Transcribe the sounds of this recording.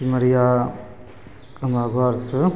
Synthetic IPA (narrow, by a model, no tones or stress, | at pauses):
imɐɾija | kɐmaɡʱɔɾs